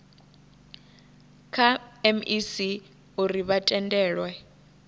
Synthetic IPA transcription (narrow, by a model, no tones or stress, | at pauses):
kʰaɛmisi | uriβatʼɛndʼɛːɺwɛ